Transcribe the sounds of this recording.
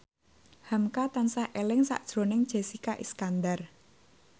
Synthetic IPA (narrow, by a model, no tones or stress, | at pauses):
hamkat̪ansahʔelɪŋsa̰ʔd̥ʒ̥ɾo̤nɪŋd̥ʒ̥e̤sikaʔiskand̪ar